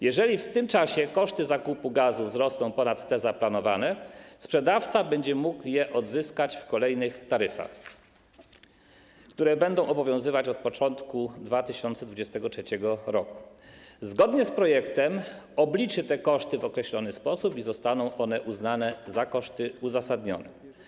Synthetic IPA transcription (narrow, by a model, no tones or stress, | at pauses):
jɛʐɛlʲift̪ɘmt͡ʂaɕɛkɔʂt̪ɘzakupuɡazuvzɾɔsnɔ̃w̃pɔnat̪ːɛzaplanɔvanɛspʂɛd̪aft̪sabɛɲd͡ʑɛmukjɛʔɔd̪zɘskat͡ɕfkɔlɛjnɘxt̪aɾɘfa̰x | kt̪uɾɛbɛnd̪ɔ̃w̃ʔɔbɔvʲjɔ̃zɘvat͡ɕɔt̪̚pɔt͡ʂɔnt̪kud̪vat̪ɘɕɔnt̪sɛd̪vud͡ʑɛst̪ɛɡɔtʂɛt͡ɕɛɡɔɾɔku̥zɡɔd̪ɲɛspɾɔjɛkt̪ɛmɔblʲit͡ʂɘt̪ɛkɔʂt̪ɘvɔkɾɛɕlɔnɘspɔsupizɔst̪anɔ̃w̃ʔɔn̪ɛʔuznanɛzakɔʂt̪ɘuzasad̪ɲɔnɛ